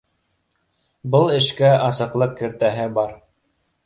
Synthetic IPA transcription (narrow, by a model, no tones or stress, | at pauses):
bɤlˠɘ̆ʃkæʔɑsɤ̆qlˠɤqkɘ̆ɾt̪æɦɘbɑɾ